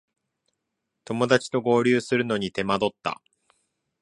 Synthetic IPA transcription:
t̪o̞mo̞d̪at͡ɕi̥t̪o̞ɡo̞ːɾʲɨːsɨɾɯ̟no̞ɲ̟it̪e̞mad̪o̞t̪ːa̰

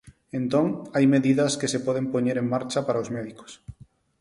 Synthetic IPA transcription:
ẽnt̪oŋajmeðiðɐskesepɔðempoɲeɾeŋːaɾt͡ʃapaɾaozmɛðiko̥s

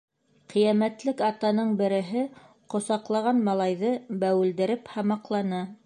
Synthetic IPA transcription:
qʰĭjæmæt̪lɘkɑt̪ɑnɤɴbɘ̆ɾɘ̆ɦɘ | qŏsɑqlˠɑʁɑnmɑlˠɑjðɤbæwɘ̆ld̪ɘ̆ɾɘphɑmɑqlˠɑnɤ

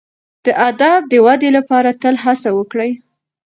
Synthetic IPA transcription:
d̪̥əʔad̪ɑb̚d̪əwad̪elapɑɾat̪əlɦasawəkɽəj

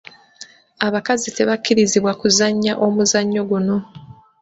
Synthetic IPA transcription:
aβakazite̞βacːiɾiziβwakuzaɲːaʔo̞muzaɲːo̞ɡuno̞

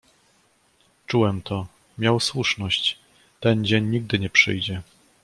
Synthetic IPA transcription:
t͡ʂuwɛmt̪ɔ | mʲjawswuʂnɔɕt͡ɕ | t̪ɛnd͡ʑeɲːiɡ̚d̪ɘɲɛpʂɘ̰jd͡ʑɛ

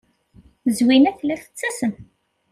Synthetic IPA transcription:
əzwinæθlæθə̥t͡sːæsən

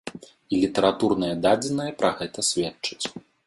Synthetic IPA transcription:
ilʲit̪ɐɾat̪urnɐjɐd̪ad͡zʲɛnɐjɐpɾɐɣɛt̪ɐsʲvʲɛtt͡ʂɨ̥t͡sʲ

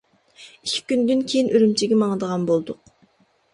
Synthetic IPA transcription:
ikʲʰːi̥kʲynd̪ynkʲʰejinʔyɾymt͡ʃʰiɡʲɛmɑŋəd̪əʁɑnbolˠd̪ʊq

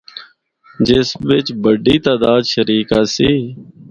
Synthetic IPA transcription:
d͡ʒɪsʋɪt͡ʃbəɖiːt̪aːd̪aːd̪ʃəɾiːkaːsiː

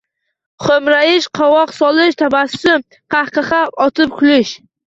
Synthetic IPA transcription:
χomɾajɪʃqʰɑwɒqsɒlˠɪʃt̪ʰabasːʊm | qʰahqɨχɑpɒt̪ʰɪp̚kʲʰʊlɪʃ

